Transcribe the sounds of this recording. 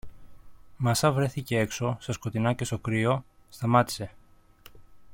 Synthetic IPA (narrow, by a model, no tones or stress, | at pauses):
mɐsɐvɾe̞θice̞e̞kso̞sɐsko̞t̪inɐce̞st̪okɾio̞st̪ɐmɐt̪i̥se̞